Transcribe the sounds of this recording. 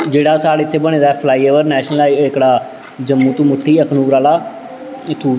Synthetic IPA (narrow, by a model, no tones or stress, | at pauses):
d͡ʒeːɽaːsaːɽeːɪt̪ʰːeːbəɽ̃ẽːd̪aːɛpʰlaːiːeːʋəɾnɛːʃnəlaɪkɽaː | d͡ʒəmːũːt̪ũːmʊʈʰːiːəkʰnuːɾaːlaː | ɪt̪ʰːuː